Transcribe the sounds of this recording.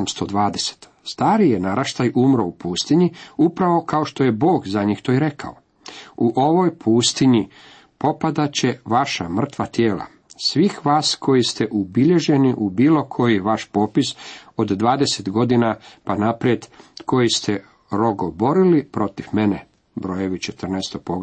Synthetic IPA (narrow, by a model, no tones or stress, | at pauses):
mst̪od̪ʋaːd̪ese̥t̪ | st̪aːɾijenaɾaʃt̪ajumɾoupuːst̪iɲiupɾaʋo̞kaoʃt̪o̞je̞bo̞ːɡzaɲixt̪o̞iɾe̞ka̰o̰ | uʔo̞ʋojpʰuːst̪iɲi | po̞pad̪at͡ɕeʋaʃa̰mr̩t̪ʋat̪jeːla̰ | sʋixʋaːsko̞jist̪eʔubiʎe̞ʒe̞niʔubiːlo̞kʰo̞jiʋaʃpo̞ːpiso̞d̪d̪ʋaːd̪e̞set̪ɡo̞d̪inapanapɾije̞d̪ko̞jist̪e | ɾo̞ɡobo̞ɾilipɾo̞t̪ifmene | bɾo̞jeʋit͡ʃet̪r̩nest̪opoɡ